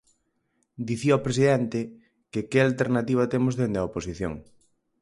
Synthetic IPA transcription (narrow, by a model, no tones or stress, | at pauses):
d̪iθiaopɾesiðɛnt̪ɪ | kɪkɪalt̪eɾnat̪iβ̞at̪emozðend̪eɐoposiθjo̰ŋ